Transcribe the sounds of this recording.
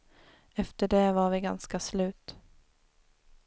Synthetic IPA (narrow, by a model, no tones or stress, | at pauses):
ɛft̪əɖɛvaɾvɪɡanskaslʉ̟ːt̪